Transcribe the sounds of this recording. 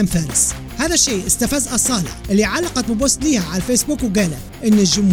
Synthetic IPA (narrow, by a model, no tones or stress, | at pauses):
amfaːɾɪs | haːðaʃːeːʔɪst̪afazʔɑsˤɑːlɪ̰ħʔɪlːiʕalːɑqɑt̪̚bɪbʊst̪liːhaʕalfeːsbuːkwɡaːla | ʔɪnːɪʒʊmh